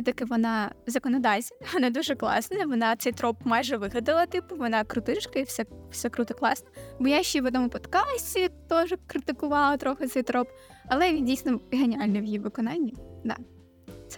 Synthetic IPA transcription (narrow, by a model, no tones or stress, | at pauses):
sɛt̪ɐkɪʋɔnɑzɐkɔnɔd̪ɑwʲsʲʋɔnɑd̪uʒɛklˠɑ̰snɐʋɔnɑt̪sɛjt̪ɾɔpmɑjʒɛʋɪɦʲɐd̪ɪlˠɐt̪ɪpʊʋɔnɑkɾʊt̪ɪt͡ʃkɐiwsɛfsɛkɾut̪ɔklˠɑsnɐbɔjaʃt͡ʃːiʋɔd̪ɔmʊpɔt̪kɑsʲtʲit̪ɔʒɛkɾɪt̪ɪkʊʋɑlˠɐt̪ɾɔxɪt̪sɛjt̪ɾɔp | ɐlˠɛdʲijsnɔɦenʲɪalʲnɛʋjiʋɪkɔnɑnʲːid̪ɑ̰ | t̪sɛ